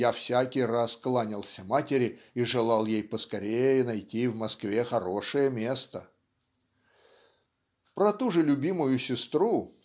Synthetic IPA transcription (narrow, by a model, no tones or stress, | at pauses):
jafsʲakʲɪjrasklˠanʲɪlˠsʲəmatʲɪɾʲɪiʐɨlˠalˠjejpəskɐɾʲejənɐjtʲivmɐskvʲexɐɾo̞ʂɨjəmʲe̞st̪ə | pɾɐt̪uʐɨlʲʊbʲimʊjʊsʲɪst̪ɾu